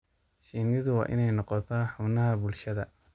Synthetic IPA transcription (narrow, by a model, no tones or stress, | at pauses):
ʃiːnɪðʊwɑ̰ːʔɪ̰nɛjnɔqɔt̪ʰɐħʊnɐɦɐbʊlʃɐðɐ